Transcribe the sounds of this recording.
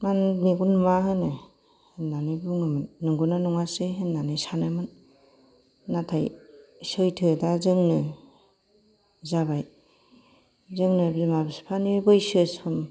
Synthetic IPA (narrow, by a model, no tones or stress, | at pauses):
manmiɡunmaɦɯnɯ | henːanɯbuŋɯmɯnːɯŋɡunanɔŋaseɦenːanɯsanɯmɯn | atʰajsɯjtʰɯdazɯŋnɯ | zaβaj | zɯŋnɯbzimabispʰanibɯjsɯsʰɯm